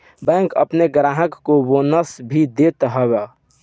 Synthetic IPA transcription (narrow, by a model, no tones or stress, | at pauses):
bɛ̃ŋkə̰pneɡɾaːɦəkːobonəsbʱid̪eːt̪ɦəbɛ